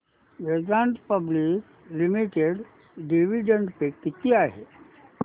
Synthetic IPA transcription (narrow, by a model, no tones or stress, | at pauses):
ʋed͡ʒãɳʈpəblik | limiʈeɖ | ɖiʋiɖəɳɖpekit̪iaɦe